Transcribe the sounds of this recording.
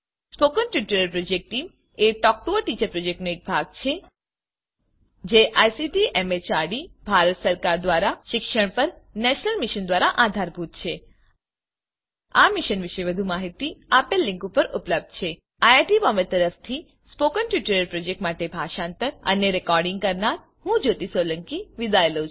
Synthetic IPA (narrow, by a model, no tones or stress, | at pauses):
spokənʈjuʈəɾəlpɾod͡ʒek̚ʈʈːim | eʈɔk̚ʈoʋəʈit͡ʃəɾpɾod͡ʒek̚ʈnoek̚bʱaɡ̚t͡ʃʰe | d͡ʒeʔajsiʈiʔemet͡ʃaɾɖibʱaɾət̪səɾkaɾd̪ʋaɾaʃɪkʃəɽ̃pəɾnɛʃnəlmiʃənd̪ʋaɾaʔad̪ʱaɾbʱut̪t͡ʃʰe | amiʃənʋɪʃeʋəd̪ʱumaɦit̪iapelːɪ̃ŋkupəɾʊpləb̚d̪̚t͡ʃʰe | aaʈibɔməɾt̪əɾəft̪ʰi | spokənʈjuʈəɾəɾpɾod͡ʒek̚ʈmaʈebʱaʃãnt̪əɾə̰neɾɛkɔɾɖɪ̃ŋɡ̚kəɾnaɾ | hũd͡ʒot̪isoləŋkiʋid̪ajl̃ʰ